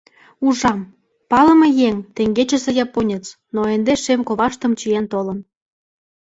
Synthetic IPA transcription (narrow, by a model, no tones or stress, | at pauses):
uʒɑm | pɑlə̆mɤ̆jeŋt̪eŋɡet͡ɕə̆sĕjɑponʲət͡s | noend̪eʃemkoβɑʃt̪ə̆mt͡ɕijent̪olə̆n